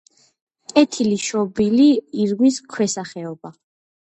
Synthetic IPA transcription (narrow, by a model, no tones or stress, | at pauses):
kʼɛt̪ʰiliʃɔbiliːɾɡwiskʰwɛsaχɛɔba